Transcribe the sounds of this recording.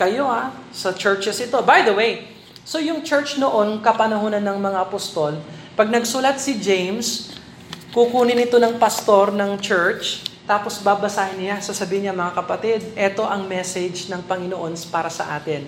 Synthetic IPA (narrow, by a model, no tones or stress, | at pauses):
kɐjo̞asɐt͡ʃɛɹt͡ʃɛsʔɪt̪o̞bajd̪ɐwej | so̞jʊŋt͡ʃɛɹt͡ʃnoʔo̞nkɐpɐnɐɦoːnɐnːɐŋmɐŋaɐpost̪o̞l | pɐɡ̚nɐɡsulɐt̪̚sɪd͡ʒejms | kukuːnɪnɪt̪o̞nɐŋpɐst̪o̞ɾnɐŋt͡ʃɛɹt͡ʃt̪aːpo̞sbaːbɐsaːhɪnːɪjasɐsɐbiːhɪɲːaɐŋmɐŋakɐpɐt̪ɪd̪̚ʔɛt̪o̞ʔɐŋmɛsɛd͡ʒnɐŋpɐŋɪnoʔo̞nspaːɾɐsɐ̰ʔaːt̪ɪn